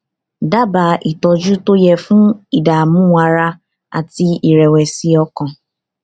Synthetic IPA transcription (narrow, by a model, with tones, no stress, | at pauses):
da˦ba˨ʔi˨tɔ˨d͡ʒu˦to˦je˨fu˦i˨da˨mʊ˦ŋʷa˨ɾa˦ | a̰˨ti˦i˨ɾe˨we˨si˦ɔ˦kɔ̃˨